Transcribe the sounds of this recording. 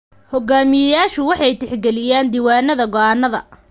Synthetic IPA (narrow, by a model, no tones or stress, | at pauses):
hɔɡaːmɪjɐjaːʃʊwɑħɑjt̪ʰɪħɡɛlɪjaːnd̪iːwaːnɐðɐɡɔʔaːnːɐðɐ̰